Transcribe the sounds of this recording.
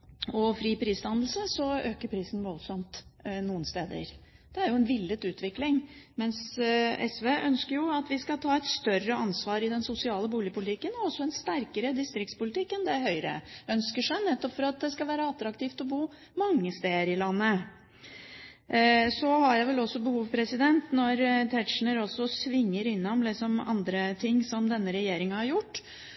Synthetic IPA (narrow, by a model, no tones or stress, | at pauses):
ɔfɾiːpʰɾiːslɑnəl̩səsɔøːkəɾpʰɾiːsn̩ʋɔlsɔmt̪nuːənst̪eːd̪ə̰ɾ | d̪̥ɛæɾjʊɛnʋɪlːət̪ʉːt̪ʰʋɪklɪŋmɛnsʔɛsʋeːʔœnskəɾjʊɑt̪ʋɪskɑt̪ʰɑːɛt̪st̪œrəɑnsʋɑːɾɪd̪ɛnsʊsɪɑːləbuːlɪəpʊlɪt̪ʰɪkːənɔɔsːɔɛnst̪æɾkəɾəd̪ɪst̪ɾɪk̚t̪spʊlɪt̪ʰɪkːənd̪ɛæɾhœʏɾə̰œnskəʂæɪnɛt̪ːɔpfɔɾɑt̪̚d̪ɛskɑʋæːɾəɑt̪ɾɑkt̪iːft̪ɔbuː | mɑŋːəst̪eːəɾɪlɑnːə | sɔhɑɾjæɪʋɛlɔsːɔbəhuːʋpʰɾɛsɪd̪ɛnt̪nɔɾt̪ʰæʈʂɳəɾɔsːɔsʋɪŋːəɾɪnːɔmlɪsɔmɑ̰nd̪ɾət̪ʰɪŋːsɔmd̪ɛnːəɾɛjeːɾɪŋɑhɑɾjʊʈː